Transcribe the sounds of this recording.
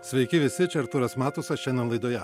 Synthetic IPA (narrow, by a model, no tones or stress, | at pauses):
sʲʋʲɛɪkʲɪʋʲɪsʲɪt͡ʃʲɛɾt̪ʊɾɐsmɑːt̪ʊsɐʃʲɛnʲonlˠɐɪd̪oːjɛ